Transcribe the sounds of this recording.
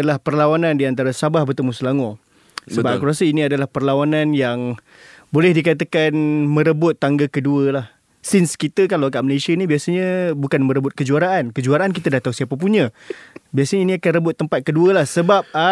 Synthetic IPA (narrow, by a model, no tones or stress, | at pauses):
alahpərlawanãndiant̪aɾasabahbərt̪əmusəlaŋɔ | səbapakuɾasəiniadalahpərlawanãnjaŋ | bolɛhdikat̪akanmə̃ɾəbʊt̪ːaŋɡakəduəlah | sɪnskit̪əkalawakaʔməlesianibiasaɲəbukanmə̃ɾəbʊt̪̚kəd͡ʒuaɾaʔankəd͡ʒuaɾaank̬it̪adaht̪ausiapap̬uɲəbiasaɲəiniakanrəbʊt̪ːəmpat̪̚kəduəlahsəbap̚a